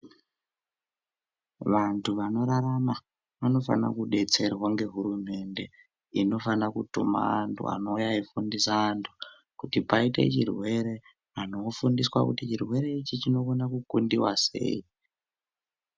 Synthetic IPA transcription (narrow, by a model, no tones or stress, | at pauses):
ʋantʰuʋano̞ɾaɾama | ʋano̞fa̰na̰kuɗe̞t͡se̞rwaŋɡe̞ɦuɾume̞nde̞ | ino̞fanakutṵma̰ntʰṵa̰no̞jaifundisaːntʰu̥ | kutipaite̞̰t͡ʃirwe̞ɾe̞ | ano̞fundiswakutit͡ʃirwe̞ɾe̞it͡ʃit͡ʃino̞konakukundiwase̞̰i